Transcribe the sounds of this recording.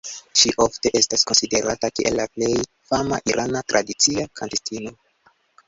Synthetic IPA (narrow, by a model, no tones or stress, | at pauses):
ʃiʔo̞fte̞ʔe̞staskonside̞ɾatakiʔe̞̰lːaple̞j | fama̰ʔiɾʔanatɾʔadit͡siakantestino̞